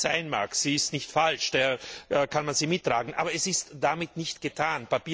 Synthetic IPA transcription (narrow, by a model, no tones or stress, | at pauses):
z̥aɪnma̰ːkz̥iːɪstnɪçtfalʃd̥eːɐʔɛkʰanmanziːmɪtːʁ̥aːɡŋ̩ʔa̰ːbɐɛsɪstd̥amɪtnɪçtɡ̥ətʰaːnpapiː